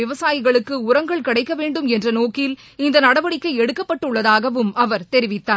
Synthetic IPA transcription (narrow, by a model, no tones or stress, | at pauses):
ɪʋɐsaːjɪɣɐɭɯkːɯʊɾɐŋɡɐɭkɪɽɐɪkːɐʋeːɳɖɯmɛndrɐnoːkɪl | ɪnd̪ɐnɐɽɐʋɐɽɪkːɐɪɛɽɯkːɐpːɐʈːɯɭːɐðaːɣɐʋɯmɐʋɐɾt̪ɛɾɪʋɪt̪ːaː